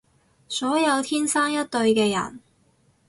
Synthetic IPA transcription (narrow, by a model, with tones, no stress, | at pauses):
sɔː˨˥jɐ˨˧wt̪ʰiː˥nsaː˥ŋjɐ˥t̚t̪ɵ˧ɥkɛː˧jɐ̰˨˩n